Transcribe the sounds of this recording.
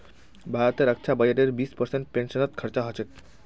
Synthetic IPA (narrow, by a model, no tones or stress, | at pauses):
bʱajot̪eɾak̚t͡ɕʰabad͡ʑeʈeɾbispɐɾsenʈpenʃonot̪kʰaɾt͡ɕaɦɔt͡ɕʰet̪